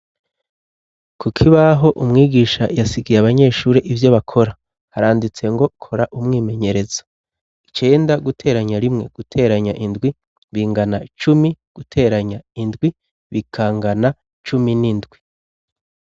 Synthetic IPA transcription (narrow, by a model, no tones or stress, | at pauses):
kʰukʰiβaɦo̞ʔumŋiːɡiːʃajasiɡijaβaɲe̞ːʃuːɾeʔivjo̞βakʰo̞ɾa | haɾaːndit͡se̞ŋɡo̞kʰo̞ɾaʔumŋiːme̞ɲe̞ɾe̞zo̥ | i̥t͡ʃe̞ːndaɡutʰe̞ːɾaɲaɾimŋe̞̰ɡ̥utʰe̞ːɾaɲaʔindɡwi | βiːŋɡanat͡ʃumiɡ̥utʰe̞ːɾaɲaindɡwi | βikʰaːŋɡana | t͡ʃuminindɡwi